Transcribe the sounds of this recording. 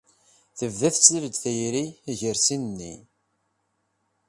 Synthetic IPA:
θəvðæθsɾəd̪θæjɾiʝəɾsinnːḭ

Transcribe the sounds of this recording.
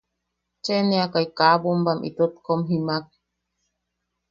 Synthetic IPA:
t͡ʃeneakaikaːbombamʔḭt̪ot̪̚komɦimak̚

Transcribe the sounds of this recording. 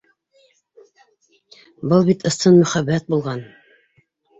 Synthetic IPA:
bɤlˠbit̪ɤ̆st̪ɤnmɵ̆χæbːæt̪̚bulˠʁɑn

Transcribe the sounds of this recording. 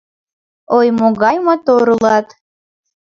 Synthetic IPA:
ojmoɣɑjmot̪oɾulɑt̪

